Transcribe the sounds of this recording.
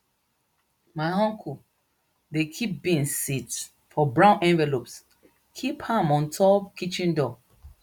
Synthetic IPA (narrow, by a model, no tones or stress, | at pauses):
maɪɦɔ̃ŋkʰu | dekʰip̚bĩnsit | fɔbɹãʊ̃nʔɛ̃nvɛlops | kʰiphãmɔ̃ntʰɔpkit͡ʃĩndɔ